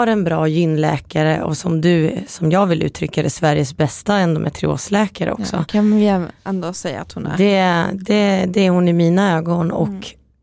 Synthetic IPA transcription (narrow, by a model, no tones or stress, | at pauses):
aɾɛnbɾɑːjʏnːlɛ̰ːkaɾəʔɔ̰sɔmd̪ɵsɔmjɑːɡvɪlːʔʉ̟ːt̪ʰɾʏkːad̪ɛsvæɾjəsbɛst̪aɛnd̪ɔ̰mʔæ̰t̪ʰɾɪ̰o̰ːslɛːkaɾə̰ɔ̰ksɔ̰kʰanvɪɛnd̪oːsɛjːa̰at̪hʊn̰d̪ɛd̪ɛd̪ɛæɾhʊnɪmiːnaøːɡɔnɔ̰k